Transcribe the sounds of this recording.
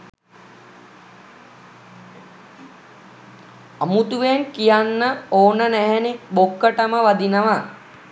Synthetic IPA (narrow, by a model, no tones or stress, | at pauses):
amut̪uʋenkijanːəoːnənæɦɛnibokːəʈəməʋad̪inəʋa